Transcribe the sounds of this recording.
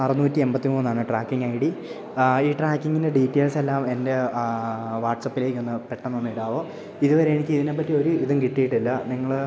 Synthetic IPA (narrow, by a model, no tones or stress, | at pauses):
ɐrɐnuːtːie̞mbɐt̪ːimuːnːaːɳɨʈraːkːiŋɡɐjiɽi | iːʈraːkːiŋːindeɖiːtːeːlse̞lːaːme̞nde̞ | ʋaːʈsɐpːile̞ːkʲːo̞nːɨpeʈːɐnːonːiiɽaːʋo̞ː | iðuʋɐɾe̞jaːɳikʲːɨiðine̞p̬ːɐtːio̞ɾuiðumkiʈːijiʈːilːɐniŋːɐɭ